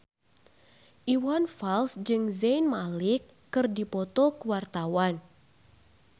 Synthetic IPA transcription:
ʔiwanfalsd͡ʒɨŋzejnmalɪkːɨrdipɔt̪ɔkəwart̪awan

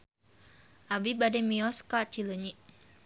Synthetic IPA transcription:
ʔabibadɛmiɔskat͡ʃiləɲiʔ

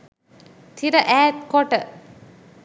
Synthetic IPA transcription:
t̪ʰiɾəʔæːt̪̚kɔʈə

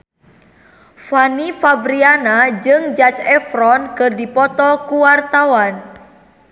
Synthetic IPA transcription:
fanifabɾianad͡ʒɨŋd͡ʒat͡ʃɛfɾɔnkɨrdipɔt̪ɔkuwart̪awan

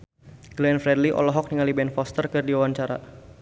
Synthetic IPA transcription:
ɡ̥lɛnfɾɛdliʔɔ̰lɔɦɔk̚niŋalibɛnfɔst̪ərkɨrdiwawaɲt͡ʃaɾa̰

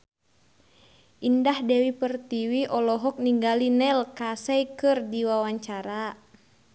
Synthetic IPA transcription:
ʔindahdɛwipərt̪iwiʔɔlɔɦɔk̚niŋɡalinɛlkasɛjkɨrdiwawaɲt͡ʃaɾa

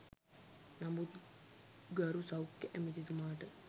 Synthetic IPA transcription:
nɐmut̪ | ɡɐɾusɐwkːeʔemit̪it̪umaːʈə

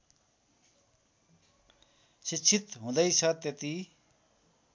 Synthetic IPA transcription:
sit͡sʰit̪ɦũd̪ʌjt͡sʰʌt̪jet̪i

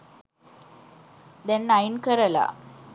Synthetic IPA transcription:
d̪ɛnːainkəɾla̰

